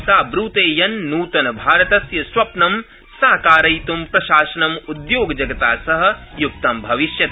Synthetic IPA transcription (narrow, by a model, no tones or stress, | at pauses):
saːbɾuːt̪eːjɐnːuːt̪ɐnɐbʱaːɾɐt̪ɐsjɐswɐpnɐm | saːkaːɾɐjt̪umpɾɐʃaːʃɐnɐmud̪joːɡɐd͡ʒɐɡɐt̪aːsɐɦɐ̆juk̚t̪ɐmbʱɐʋiʃjɐt̪